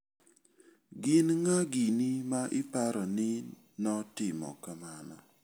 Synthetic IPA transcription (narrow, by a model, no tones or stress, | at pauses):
ɡɪnŋaɡinimaʔɪpaɾɔnɪ | nɔtɪmɔ̰kamanɔ̰